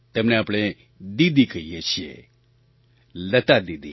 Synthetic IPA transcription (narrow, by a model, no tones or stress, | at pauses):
t̪ɐmneaːpɽ̃e | d̪id̪ikəɦijet͡ʃʰijḛ | lət̪ad̪id̪i